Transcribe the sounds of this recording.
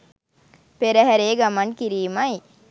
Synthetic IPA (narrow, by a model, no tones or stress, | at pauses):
peɾəɦæɾeːɡamankiɾiːmaj